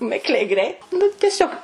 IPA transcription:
ˈmʲɪklʲɛɪ ˈɡrʲɛɪt nʊ tʲɛˈsʲoːk

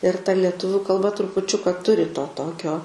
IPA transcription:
ɪr tɐ lʲɛˈtʊʋʲʊ kɐlˠˈbɐ trʊpʊˈt͡ʃʲʊkɐ ˈtʊrʲɪ toː ˈtoːkʲoː

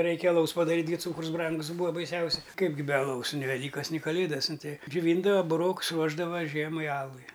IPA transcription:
ˈrʲɛɪkʲɛ ɐˈlˠɐʊs pɐˈdɑːrʲiːtʲ ˈɡʲɪ ˈt͡suːkrʊs ˈbrɐŋɡʊs ˈbuːɐ bɐɪˈsʲɛʊsʲɛ ˈkɐɪp ɡʲɪ bʲɛ ɐˈlˠɐʊs nʲɪ ʋʲɛˈlʲiːkɐs nʲɪ kɐˈlʲeːdɐs ˈnʊ ˈtʲɛɪ d͡ʒʲʊˈʋʲiːndɐʋɐ bʊˈroːks ˈruɔʒdɐʋɐ ˈʒʲiɛmɐɪ ˈɑːlˠʊɪ

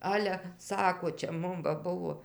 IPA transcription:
ˈɑːlʲɛ ˈsɑːkoː t͡ʃʲɛ ˈmʊm ʋɐ ˈbʊʋoː

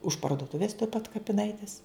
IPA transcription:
ʊʃ pɐrduɔˈtʊʋʲeːs tuɔj pɐt kɐpʲɪˈnɐɪtʲɪs

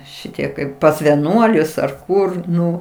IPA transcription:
ˈʃʲɪtʲiɛ kɐɪp pɐs ʋʲɛˈnuɔlʲʊs ɐr ˈkʊr ˈnʊ

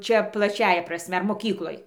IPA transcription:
ˈt͡ʃʲɛ plˠɐˈt͡ʃʲæːjɛ prɐˈsʲmʲɛ moːˈkʲiːklˠoːj

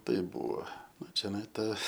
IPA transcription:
ˈtɐɪ ˈbʊʋoː ˈnʊ t͡ʃʲɛˈnɐɪ ˈtɐ

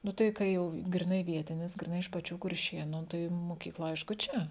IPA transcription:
ˈnʊ tɐɪ ˈkɐ jɛʊ ɡrʲɪˈnɐɪ ˈʋʲiɛtʲɪnʲɪs ɡrʲɪˈnɐɪ ɪʃ pɐˈt͡ʃʲuː kʊrʲˈʃʲeːnʊ ˈtɐɪ moːkʲiːkˈlˠɐ ˈɐɪʃkʊ ˈt͡ʃʲɛ

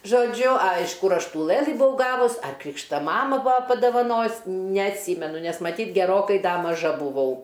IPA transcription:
ʒoːˈd͡ʒʲʊ ɐ ɪʃ ˈkʊr ˈɐʃ ˈtuː ˈlˠɘlˠɨ bʊˈʋɐʊ ˈɡɑːʋʊs ɐr ˈkrʲiːkʃtɐ ˈmɑːmɐ ˈbʊɐ pɐdɐʋɐˈnoːjʊs nʲɛɐtʲˈsʲiːmʲɛnʊ nʲɛs mɐˈtʲiːtʲ ɡʲɛˈroːkɐɪ ˈdɐ mɐˈʒɐ bʊˈʋɐʊ

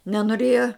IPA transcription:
nʲɛnoːˈrʲeːjɛ

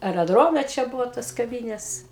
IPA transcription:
ɐrʲɛˈdroːmʲɛ t͡ʃʲɛ ˈbʊʋoː toːs kɐˈʋʲiːnʲeːs

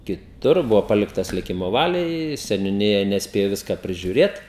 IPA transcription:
kʲɪˈtʊr ˈbʊʋoː ˈpɑːlʲɪktɐs lʲɪˈkʲɪmoː ˈʋɑːlʲɛɪ sʲɛnʲʊˈnʲɪjɛ nʲɛsʲˈpʲeːjoː ˈʋʲɪskɐ pʲrʲɪʒʲʊˈrʲeːt

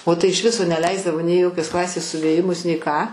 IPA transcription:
oː tɐɪ ɪʃ ˈʋʲɪsoː nʲɛˈlʲɛɪzdɐʋoː nʲɛɪ ɪ ˈjoːkʲoːs ˈklˠɑːsʲeːs sʊʋʲeːˈjɪmʊs nʲɛɪ kɑː

